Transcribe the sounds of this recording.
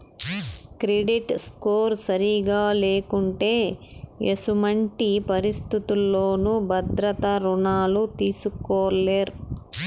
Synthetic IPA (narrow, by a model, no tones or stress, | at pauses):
kɾeɖiʈskoːɾsɐɾiɡaːle̞ːkuɳʈe̞ːesumɐɳʈipɐɾist̪it̪ulːoːnubʱɐd̪ɾɐt̪ɐɾuɳaːlut̪iːsukɔːlːeːɾ